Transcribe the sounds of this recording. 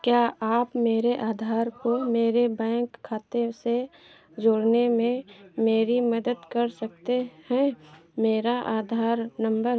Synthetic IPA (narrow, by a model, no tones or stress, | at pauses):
kjaːʔaːpmeːɾeʔaːd̪ʱaːɾkomeːɾebɛ̃ːŋkʰːaːt̪ese | d͡ʒoːɽnemẽmeːɾiməd̪əd̪kəɾsək̚t̪ehɛ̃meːɾaʔaːd̪ʱaːɾnə̃mbəɾ